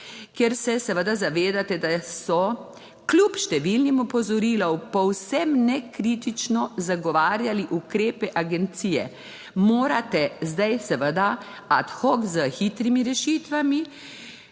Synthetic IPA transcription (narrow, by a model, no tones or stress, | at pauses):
kjɛɾsɛsɛʋəd̪azaʋeːd̪at̪ɛd̪asɔ | klupʃt̪ɛʋilnimɔpɔzɔɾilɔwpɔwsɛmnɛkɾit̪it͡ʃnɔzaɡɔʋaːɾjaliʔukɾeːpɛʔaɡɛnt̪siːjɛ̰ | moːɾat̪ɛzd̪ajsɛʋəd̪a | at̪xɔkzəxit̪ɾimiɾɛʃiːt̪ʋami